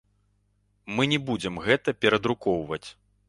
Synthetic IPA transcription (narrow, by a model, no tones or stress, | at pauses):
mɨnʲɛbud͡zʲɛmɣɛt̪ɐpʲɛɾɐd̪ɾukɔwvɐt͡sʲ